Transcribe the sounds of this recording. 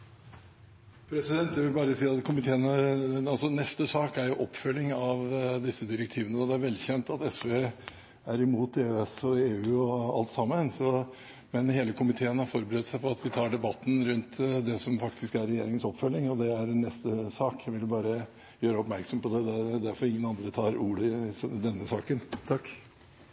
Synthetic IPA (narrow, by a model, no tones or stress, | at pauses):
pʰɾɛsɪd̪ɛnt̪jæʋɪlbɑːɾəsiːɑt̪kʰʊmɪt̪ʰeːənəɑlsɔnɛst̪əsɑːkæɾjʊʔɔpːfœlːɪŋɑʋd̪ɪsːəd̪ɪɾɛkt̪ʰiːʋənəɔd̪ɛæɾʋɛlçɛnt̪ɑt̪ɛsʋeː | æɾɪmuːt̪eːøɛsɔeːʉːɔɑ̰lt̪sɑmːənsɔ | mɛnheːləkʰʊmɪt̪ʰeːənhɑɾfɔɾbəɾɛsæɪpʰɔɑt̪ʋɪt̪ʰɑːɖɛbɑt̪ːn̩ɾʉnt̪d̪ɛsɔmfɑkt̪ʰɪskæɾɛjeːɾɪŋənsɔpːfœlːɪŋɔd̪ɛæɾɛnːɛst̪əsɑːkjæʋɪljʊbɑːɾə | jøːɾəɔpmæɾksɔmpɔd̪ɛd̪ɛd̪æɾfɔɾɪŋːənɑnd̪ɾət̪ʰɑːɾuːɖəsd̪ɛnːəsɑːkənt̪ʰɑkː